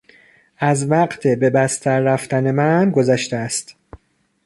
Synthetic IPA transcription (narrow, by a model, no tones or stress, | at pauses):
ʔæzvæɢt̪ʰebe̞bæst̪ʰæɾːæft̪ʰæne̞mænɡo̞zæʃt̪ææst̪